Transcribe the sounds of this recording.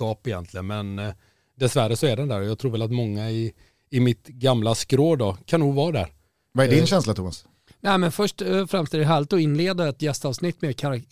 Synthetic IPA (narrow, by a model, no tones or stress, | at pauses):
kɑːpɪjɛ̰nt̪ʰlɪənmɛn | d̪ɛsvæɾəsɔɛɖɛnd̪æːɾɔjɑːɡt̪ʰɾuːvɛlat̪mɔŋːaɪ | ɪmɪt̪ɡamlaskɾoːd̪ɔkʰanːuːɡvɑːd̪æ̰ɾ | vaɛɖɪnɕɛnslat̪ʰʊmas | nɛɪmɛnfœʂʈfɾamst̪eːd̪ɦæːɭɪt̪ɔɪnːleːd̪aɛt̪jɛst̪ɑːvsnɪt̪ːmekʰaɾa